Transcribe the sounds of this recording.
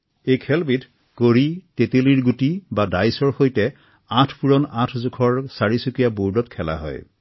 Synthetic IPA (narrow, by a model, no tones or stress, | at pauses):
ejkʰɛlbit | koɹiteteliɹɡutibadajsɔɹxojtɛ | ãtʰpuɹɔnãtʰzukʰɔɹsaɹisukijabuɹdɔtkʰɛla̰ɦɔ̰j